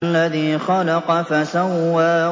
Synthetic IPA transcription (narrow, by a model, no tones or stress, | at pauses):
lːaðiːxɑlɑqɑfasawːaː